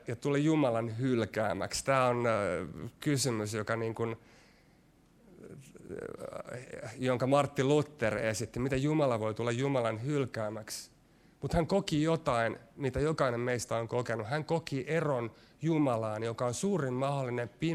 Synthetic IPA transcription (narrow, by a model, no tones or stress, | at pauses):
jɑt̪ulijumɑlɑnhylkæːmæ̰kst̪æːon | kysymysjokɑniːŋkun | joŋkɑmɑrt̪ːilut̪ːerḛsit̪ːimit̪æjumɑlɑʋoit̪ulːɑjjumɑlɑnhylkæːmæks | mut̪hæŋkokijot̪ɑinmit̪æjokɑinemmeist̪æoŋkokenuhæŋkokiʔeron | jumɑlɑːnjokɑonsuːrimmɑholːinempi